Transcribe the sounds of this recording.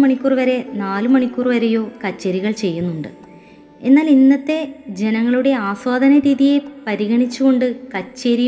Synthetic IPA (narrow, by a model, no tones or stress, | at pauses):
mɐɳikʲːuːrʋɐɾe̞naːlɨmɐɳikʲːuːrʋɐɾe̞jo̞ːkɐt͡ɕːɐɾiɣɐɭt͡ɕe̞jːunːuɳɖɨ̰ | e̞nːaːlinːɐt̪ːe̞d͡ʑe̞nɐŋːɐɭuɽe̞aːswaːd̪ʱɐnɐɾiːðije̞pɐɾiɣɐɳit͡ɕːuɣo̞ɳɖɨkɐt͡ɕːɐɾi